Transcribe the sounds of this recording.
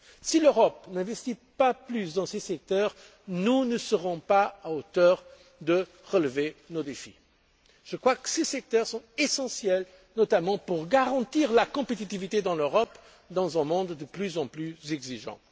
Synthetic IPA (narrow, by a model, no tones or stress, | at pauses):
siløʁɔpnɛ̃vɛst̪ipaplysd̪ɑ̃sesɛk̚t̪œʁ | nunəsəʁɔ̃paaot̪œʁ | d̪ə | ʁələvenod̪efḭ | ʒ̥əkχwakə̥sesɛk̚t̪œʁsɔ̃t̪esɑ̃sjɛl | nɔt̪amɑ̃puʁɡaʁɑ̃t̪iʁlakɔ̃pet̪it̪ivit̪ed̪ɑ̃løʁɔp | d̪ɑ̃zɛ̃mɔ̃d̪ːəplyzɑ̃plyzɛɡziʒɑ̰̃